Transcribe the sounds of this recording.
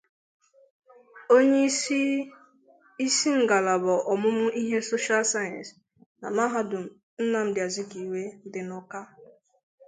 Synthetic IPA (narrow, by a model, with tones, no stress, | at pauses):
o˦ɲe˦ | i˦si˦ŋ̩˦ɡa˨la˨bɔ˨ʔɔ˨mʊ˦m̩˦i˦ɦe˦so˦ʃa˦lsa˦jã˨ns | na̰˨ma˦ɦa˦dʊ˨m̩˨ | n̩˦na˨m̩˦dɪ˨a˨zɪ˦ki˨we˦dɪ˨nɔ˦ka˦